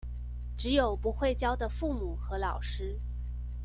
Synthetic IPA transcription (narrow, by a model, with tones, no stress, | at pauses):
ʈ͡ʂɻ̩˧˥jo˨˩ʊpu˧˥xwe˥˩ɪt͡ɕjɑ˥ʊd̪ə˨fu˥˩mu˨˩xɤ˧˥lɑ˨˩ʊʂɻ̩˥